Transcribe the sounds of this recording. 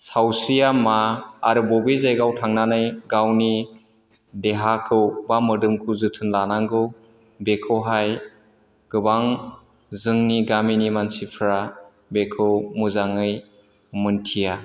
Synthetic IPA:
sawsɾijamaːɾɯbɔbizajɡawtʰaŋnanɯjɡawni | deɦakʰɯwbamɯdɯmkʰuzɯtʰɯnlanaŋɡɯw | bekʰɯwɦaj | ɡ̥ɯbaŋ | zɯŋniɡaminimansipʰɾa | bekʰɯwmuzaŋɯj | mɯntʰija

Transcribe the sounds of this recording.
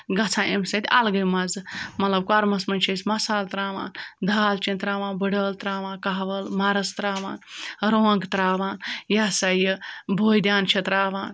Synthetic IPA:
ɡɐt͡sʰãːʔemsɐt̪ʲalɡɐjmɐzɨmɐt̪lɐb̚kaɾmɐsmɐnʲt͡ʃʰɐsʲmɐsaːlt̪ɾaːʋa̰ːnd̪ʱaːlt͡ʃẽnt̪ɾaːʋãːnbəɖəːlt̪ɾaːʋãːnkaːʋɐlmaːɾɐst̪ɾaːʋaːnɾoːɐŋɡt̪ɾaːʋaːnjasajɨbʱoːjd̪ʲjaːnt͡ʃʰɐt̪ɾaːʋaːn

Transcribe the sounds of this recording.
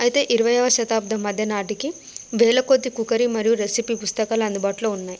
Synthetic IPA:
ɐjt̪e̞ːʔiɾuʋɐjɐːʋɐʃɐt̪aːb̚d̪ʱɐmːɐd̪ʱjɐnaːʈiki | ʋeːɭɐkod̪ːikukɐɾimɐɾijuɾesipipust̪ɐkaːlɐɐnd̪ubaːʈlo̞ːunːaːj

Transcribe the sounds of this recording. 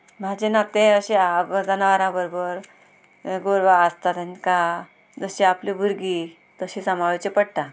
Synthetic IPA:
m̤ad͡ʑenat̪eəɕeəd͡zanaʋaɾãbəɾobəɾ | ɡoɾʋaəst̪at̪ãnka | d͡zəɕiaplibʱuɾɡi | t̪əɕisamaʋit͡ɕepəɽʈ̪a

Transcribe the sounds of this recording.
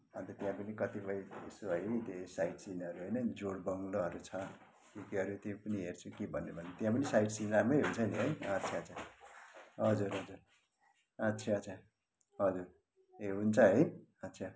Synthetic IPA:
ʌnt̪ʌt̪jãpʌnikʌt̪ibʌjesoɦʌjt̪esaiʈsinʌɾuɦʌjnʌd͡zoɽbʌŋɡloɦʌɾut͡sʰʌ | t̪ikiɦʌɾut̪epʌniɦert͡sʰukibʱʌnːebʱʌnt̪jãpʌnisajʈsinramʌjɦunt͡sʰʌneɦʌjʌtːt͡sʰaʌt͡sʰa | ɦʌd͡zuɾɦʌd͡zuɾ | ʌtːsʰaʌsʰa | ɦʌd͡zuɾ | eɦunt͡sʰʌɦʌjʌtːsʰʌ

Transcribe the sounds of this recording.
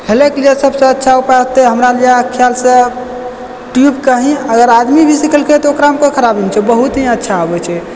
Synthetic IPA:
helekd͡ʒesəbsə̃ətːʃʰaupat̪eɦəmɾald͡ʒakʰjalsə̃ | ʈjubkəɦĩəɡəɾad̪mibʱisikʰəlkʰet̪ɔokɾaɦəmkokʰəɾabint͡ʃʰɛbəɦut̪ɦĩətːʃʰaɦobɛt͡ʃʰɛ

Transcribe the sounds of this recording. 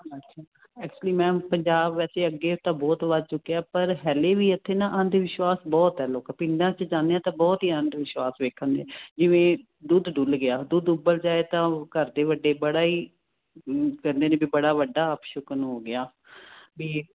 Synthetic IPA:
əʃʰaː | ɛːk̚t͡ʃuəliːmɛ̃ːpəɲd͡ʒaːbʋɛːseːəɡːeːʊt̪ãːbɔːt̪ʋəd̪̚t͡ʃʊkːejaːpəɾɦɛːleːʋiːət̪ʰːeːnãːʔə̃nd̪ʋɪʃʋaːsbɔːt̪ɛːloːkːpɪnd̪ãːt͡ʃd͡ʒãːneãːt̪ãːbɔːt̪ɦiːə̃nd̪ʋɪʃwaːsʋeːkʰːənd̪eːd͡ʒɪʋẽː | d̪uːd̪d̪ʊlɡɪaːd̪uːd̪ʊbəld͡ʒaːeːt̪ãːkəɾd̪eːʋəɖeːbəɽaːiː | kəɾnd̪eːnẽːbiːbəɽaːʋəɖːaːəpʃʊkənɦoːɡɪaː | biː

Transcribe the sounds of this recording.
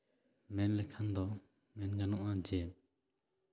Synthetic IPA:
mɛnlɛkʰand̪ɔ | mɛnɡanɔʔad͡ʒɛ

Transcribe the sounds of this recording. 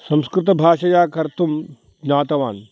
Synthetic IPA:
sɐ̃mskɾɪt̪ɐbʱaːʃɐjaːkɐɾt̪um | naːt̪ɐʋaːn

